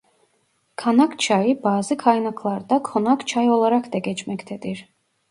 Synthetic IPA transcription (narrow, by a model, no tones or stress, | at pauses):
kʰanakʰt͡ʃʰaibaːzikʰajnakʰlˠaɾd̪akʰɔnakʰt͡ʃʰaiɔlˠaɾakʰd̪ɛɡɛt͡ʃmɛkt̪ʰɛt̪iɾ